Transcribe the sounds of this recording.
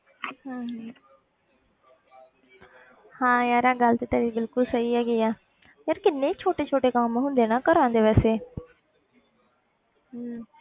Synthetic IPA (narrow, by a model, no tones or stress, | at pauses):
ɦː | hãːjaːɾaːɡəlt̪eːt̪əːɾibɪlkʊlsəiːɛːɡiaː | jaːɾkɪnːẽːt͡ʃʰoːʈeːt͡ʃʰoːʈeːkaːmɦʊ̃nd̪eːnaːkəɾãːnd̪eːʋɛːseː